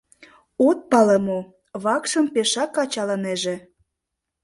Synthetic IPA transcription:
ot̪̚pɑlemo | βɑkʃəmpeʃɑkːɑt͡ɕɑlɑneʒĕ

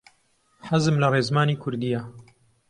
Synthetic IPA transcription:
ħazɨmlɐreːzmaːniːkʰʊɾd̪ija

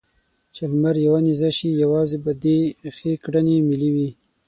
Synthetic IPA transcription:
t͡ʃalmaɾjawanizaʃijawɑzebad̪exekɽanemɪliwi

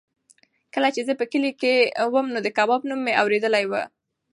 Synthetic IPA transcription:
kəlat͡ʃezəpəkəlikewəmnod̪əkabɑbnumːeawɾed̪əlajwə

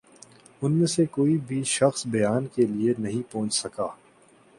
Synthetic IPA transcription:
ʊnmẽsekoːibʱiʃɐxsbɐjaːnkelienɐɦĩpɔ̃ːt͡ʃsɐkaː

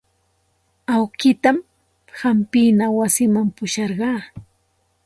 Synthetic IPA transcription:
awkɪt̪am | hampɪnawasɪmampʊʃɑɾɢɑː

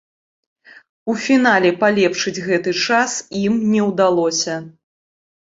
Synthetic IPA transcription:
ufʲinalʲɛpalʲɛpʂɨd͡zʲɣɛt̪ɨt͡ʂasimnʲɛwd̪alˠɔsʲɐ

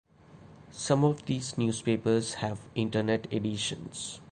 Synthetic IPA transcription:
sʌ̃mɔʋd̪iːznjuːspeːpəɾz̥hæʋɪ̃ɳʈəneʈeɖiʃə̰̃ns

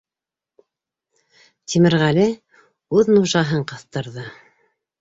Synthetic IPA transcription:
t̪ʰimɘ̆ɾʁælɘ | ʉðnuʒɑɦɤɴqɤ̆θt̪ɤ̆ɾðɤ

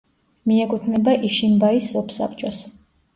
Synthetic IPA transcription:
miɛkʰʼut̪ʰnɛbaʔiʃimbaisːɔpʰsa̰pʰʼt͡ʃʼɔs

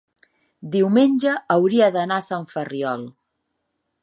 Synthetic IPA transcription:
d̪iwmenʲʒəːwɾiəðənasaɱfəriɔlˠ

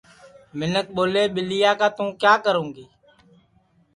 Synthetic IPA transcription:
mɪnək̚ɓoːleːɓɪlɪjaːkaːt̪ũːkjaːkəɾõːŋɡeː

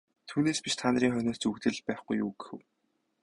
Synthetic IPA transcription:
t̪ʰuːneːspiʃt̪ʰaːnə̆ɾiːŋχœnʲɔːt͡ɕukt̪ɘ̆ɮpæːχɡujṵːɡɘ̥xɘ̆w

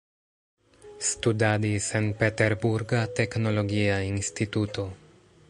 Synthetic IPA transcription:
studadisenpeteɾbuɾɡate̞kno̞lo̞ɡiainstituto̞

